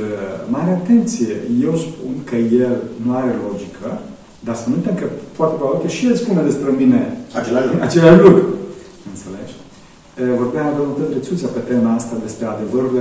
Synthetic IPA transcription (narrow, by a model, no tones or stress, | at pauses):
əmaɾeat̪e̞nt̪sijeje̞wspunkəjelnuaɾelo̞d͡ʒikʰə | d̪aspunɨnt̪emkəpoat̪epeat̪eʃielspuned̪espɾemine̞at͡ʃat͡ʃelaʃlukɾu | ɨnt̪sele̞ʃ | əvo̞rbeaad̪əut̪ət̪ɾesut̪siapet̪emaast̪ad̪e̞spɾe̞ad̪e̞vəɾul